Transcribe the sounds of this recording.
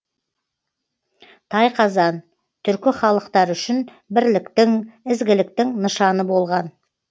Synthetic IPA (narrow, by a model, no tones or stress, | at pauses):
t̪ʰɑjqʰɑzɑn | t̪ʰʏɾkʲɪχɑlˠəqt̪ɑɾʏʃɪn | bɪɾlɪkt̪ɪŋɪzɡʲɪlɪk̚t̪ɪŋnəʃɑnəbo̞lˠʁɑn